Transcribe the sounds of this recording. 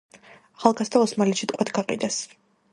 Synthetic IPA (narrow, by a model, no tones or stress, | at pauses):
aχalˠɡasd̪aɔsmalɛʃit̪ʼqʼwɛt̪ʰɡaqʼḭd̪ɛs